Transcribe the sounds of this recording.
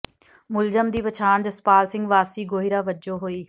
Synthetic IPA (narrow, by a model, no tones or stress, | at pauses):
mʊld͡ʒəmd̪iːʋət͡ʃʰaːɳd͡ʒəspaːlsɪ̃ŋɡʋaːsiːɡoːɦiɾaːʋəd͡ʒoːɦoːiː